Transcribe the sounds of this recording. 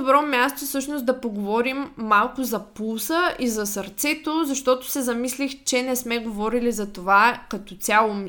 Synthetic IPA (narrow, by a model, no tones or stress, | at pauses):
obɾɔmʲjast̪ofsɤʃnosd̪ɐpoɡovɔɾimːalˠkʊzɐpulˠsəʔizɐsɐɾt̪sɛt̪ozɐʃt̪ɔt̪ʊ̥sɛzɐmislixt͡ʃɛnɛsmɛɡovɔɾilizɐt̪ovakɐt̪ɔt̪sʲjalˠom